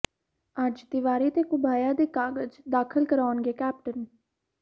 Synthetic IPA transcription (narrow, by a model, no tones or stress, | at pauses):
əd͡ʒd̪ɪʋaːɾiːt̪eːkʊbaːjãːd̪eːkaːɡəd͡ʒd̪aːkʰəlkəɾaːnɡeːkɛːp̚ʈən